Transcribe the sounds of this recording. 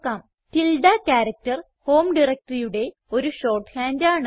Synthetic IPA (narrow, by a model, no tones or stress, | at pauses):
kːaːm | tilɖakaːɾɐk̚tɐr | ho̞ːmɖirɐk̚ʈɐrijuɽe̞ | o̞ɾuɕo̞ːrʈhaːndaːɳɨ